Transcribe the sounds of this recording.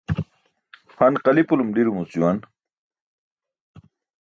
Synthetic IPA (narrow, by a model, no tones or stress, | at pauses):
hɐnqɐlipulumɖiɾumut͡suwan